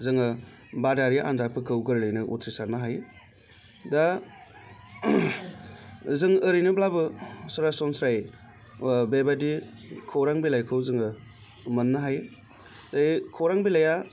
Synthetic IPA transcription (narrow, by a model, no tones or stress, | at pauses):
zɯŋɯ | badaɾiʔa̰ndapʰɯkʰɯwɡɯɾlɯjnɯʔṵtʰɾisaɾnaɦaj | da | zɯŋɯɾijnɯblabɯsaɾasɔnsɾaj | bebadikʰoɾaŋbilajkʰɯwzɯŋɯ | mɐnːaɦaj | zakʰowɾaŋbilaja